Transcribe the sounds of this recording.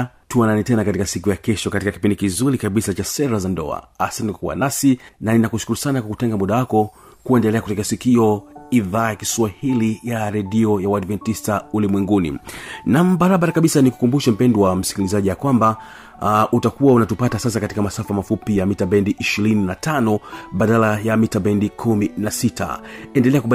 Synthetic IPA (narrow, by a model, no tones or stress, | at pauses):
tuananitɛnakatikasikujakɛʃɔkatikaki̥pindikizuɾikaɓisat͡ʃasɛɾazandɔ̰a̰asantɛnkakuwa̰nasinaninakuʃu̥kuɾusanakwakutɛŋɡamuɗawakɔ | kuɛndɛlɛakutɛk̬ɛasikiɔiðaːjakiswahilijaɾɛɗiɔjawadvɛntistaulimwɛŋɡunḭnambaɾaɓaɾakaɓisaniku̥kumbuʃɛm̩pɛnduwam̩si̥kilizaʄijakwamba | ʔutakuwaunatupatasas̬akati̥kamasafamafupijamitabɛndiʔiʃiɾininatʰanɔɓaɗalajamitabɛndikʰuminasita̰ɛndɛlɛakua